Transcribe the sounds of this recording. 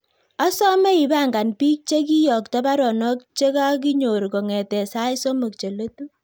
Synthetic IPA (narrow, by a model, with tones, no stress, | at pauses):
a˦sɔ˦me˦i˨ba˦ŋɡa˨npiː˦k̚t͡ʃe˦k̬i˦jɔ˨kta˦ba˦ɾɔ˨nɔ˦k̚t͡ʃe˦ka˦k̬i˦ɲo˨ɾko˨ŋɛ˨tɛ˨sa˦jso˦mo˨k̚t͡ʃe˨lo˦tu˦